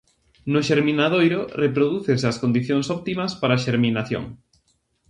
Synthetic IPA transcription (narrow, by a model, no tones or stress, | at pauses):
nʊʃeɾmĩnaðojɾʊrepɾoðuθesɐskond̪iθjoŋsɔpt̪imɐspaɾaːʃeɾminaθjo̰ŋ